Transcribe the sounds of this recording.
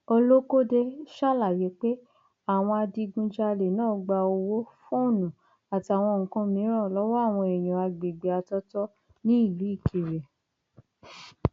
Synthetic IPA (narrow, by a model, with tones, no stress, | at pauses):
o˧lo˦ko˦de˧ʃa˦˨la˨je˨˦k͡pe˦ | a˨w̃ɔ̃˧a˧di˧ɡũ˧d͡ʒa˧le˨nãː˦˨˦ɡ͡ba˧o˧wo˦fõ˦o˦˨nũ˨ | a˨ti˧a˨w̃ɔ̃˧ŋ̩˨kã˧mĩ˨˦ɾ̃ã˦˨lɔ˨˦wɔ˦a˦˨w̃ɔ̃˧e˨j̃ɔ̃˨a˧ɡ͡be˨ɡ͡be˨a˧tɔ˦tɔ˦ | nĩ˦i˦˨lu˨˦i˦˨kʰi˨ɾɛ˨